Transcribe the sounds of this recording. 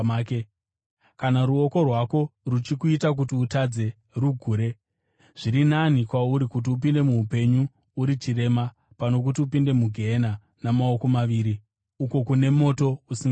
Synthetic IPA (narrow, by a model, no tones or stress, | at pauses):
ke | kanaɾuo̞ko̞rwako̞rut͡ʃikuitak̬utiutad͡ze̞ | ruɡʱuːɾe̞ | ʐ̥iɾinanikwauɾikut̬iupinde̞muupe̞ɲuː | ɾit͡ʃire̞ma | pano̞k̬utiupinde̞muɡʱe̞na | namao̞ko̞maʋiːɾi | uko̞kune̞mo̞to̞usiŋ